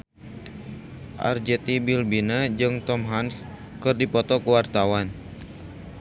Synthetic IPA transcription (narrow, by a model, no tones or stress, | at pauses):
ʔa̰rd͡ʒɛt̪ibilbinad͡ʒɨŋt̪ɔmɦans | kɨrdipɔt̪ɔkəwart̪awan